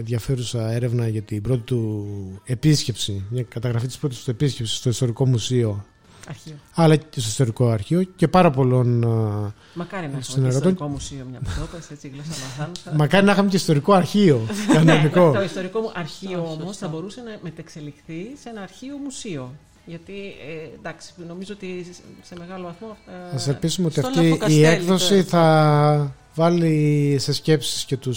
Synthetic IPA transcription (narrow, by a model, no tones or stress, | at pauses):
nðʝɐfe̞ɾusɐe̞ɾe̞vnɐʝɐt̪ibɾo̞t̪it̪ue̞pisce̞psimɲɐkɐt̪ɐɣɾɐfit̪ispɾo̞t̪ist̪ue̞piscepsi̥st̪oist̪o̞ɾiko̞musio̞ | ɐɾɐlɐst̪oist̪oɾiko̞ɐɾçio̞ce̞pɐɾɐpo̞lo̞n | mɐkɐɾinɐsineɾɣɐt̪o̞ɲomusiomɲɐot̪eset͡siɣlosɐlɐθɐnsɐmɐkɐɾinɐxɐmeceist̪o̞ɾiko̞ɐɾçio̞kɐnoniko̞t̪ist̪oɾikouʔɐɾçioomosθɐbo̞ɾusenɐmet̪ɐkse̞lixθisenɐːɾçio̞musio̞ | ʝɐt̪iend̪ɐksi̥no̞mizoot̪iseme̞ɣɐlo̞vɐθmoθɐselpisumeo̞t̪iɐft̪iːekðo̞siθɐ | vɐlise̞sce̞psi̥sce̞t̪us